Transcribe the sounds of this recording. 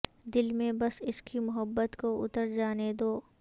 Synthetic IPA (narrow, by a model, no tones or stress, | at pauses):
d̪ɪlmẽbɐsɪskimʊɦəbːət̪koʊ̰t̪əɾd͡ʒaːned̪oː